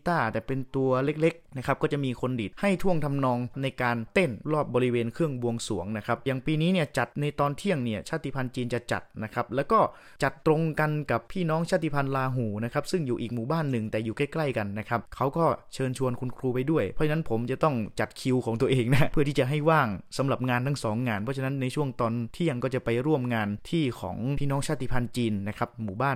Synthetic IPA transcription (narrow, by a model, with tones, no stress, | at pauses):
t̪aː˥˩t̪ɛː˨˩pe˧nt̪u˧ɐle˦˥k̚le˦˥k̚na˦˥kʰa˦p̚kɔː˥˩t͡ɕa˨˩ʔmiː˧kʰo˧ndiː˨˩t̪̚ha˥˩jt̪ʰu˥˩əŋt̪ʰa˧mnɔː˧ŋna˧jkaː˧nt̪e˥˩nɾɔː˥˩p̚bɔː˧ɾi˦˥weː˧nkʰɯ˥˩əŋbu˧əŋsṵ˩˦əŋna˦˥kʰa˦˥p̚jaː˨˩ŋpiː˧niː˦˥ni˥˩ət͡ɕa˨˩t̪̚na˧jt̪ɔː˧nt̪ʰi˥˩əŋni˥˩ɐt͡ɕʰaː˥˩t̪i˧˩pʰa˧nt͡ɕiː˧nt͡ɕa˨˩t͡ɕa̰˨˩t̪̚na˦˥kʰa˦˥p̚lɛː˦˥wkɔː˥˩ | t͡ɕa˨˩t̪ːɾo˧ŋka˧nka˨˩pʰːiː˥˩nɔː˦˥ŋt͡ɕʰaː˥˩t̪i˧˥pʰa˧nlaː˧ɦuː˨˩˦na˦˥kʰa˦˥p̚sɯ˥˩ŋjuː˨˩ʔiː˨˩k̚muː˨˩˦baː˥˩nːɯ˨˩ŋt̪ɛː˨˩juː˨˩ka˥˩jkla˥˩jka˧nːa˦˥kʰa˦˥p̚kʰa˦˥wkɔː˥˩t͡ɕʰɤː˧nt͡ɕʰu˧ənkʰu˧nkʰɾuː˧pa˧jdu˥˩əjpʰɔ˦˥t͡ɕʰa˧na˦˥npʰo˩˦mt͡ɕa˨˩t̪ɔ˥˩ŋt͡ɕa˨˩t̪̚kʰi˧wkʰɔː˩˦ŋt̪u˧əʔeː˧ŋna˦˥pʰɯ˥˩iː˥˩t͡ɕa˨˩ɦa˥˩jwaː˥˩ŋsa˩˦mɾa˨˩p̚ŋaː˧nt̪ʰaː˥˩sɔː˩˦ŋːaː˧npʰɔ˦˥t͡ɕʰna˦˥nːa˧jt͡ɕʰu˥˩əŋt̪ɔː˧nt̪ʰi˥˩əŋkɔː˥˩t͡ɕa˨˩pa˧jɾu˥˩əmŋaː˧nt̪ʰiː˥˩kʰɔ̰ː˩˦ŋʰiː˥˩nɔː˦˥ŋt͡ɕʰaː˥˩t̪i˧˩pʰa˧nt͡ɕiː˧nːa˦˥kʰa˦˥p̚muː˨˩baː˥˩n